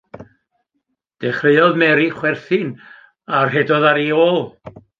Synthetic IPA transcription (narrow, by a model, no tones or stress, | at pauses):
d̥ɛχreɨɔðmɛɾiχwɛrθɨn | arhɛdɔðaɾioːlˠ